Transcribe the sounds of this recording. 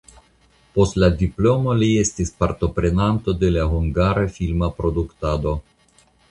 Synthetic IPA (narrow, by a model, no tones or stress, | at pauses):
po̞stladiplo̞mo̞lie̞stispaɾto̞pɾe̞nanto̞de̞laɦuŋɡaɾafilmapɾo̞duktado̞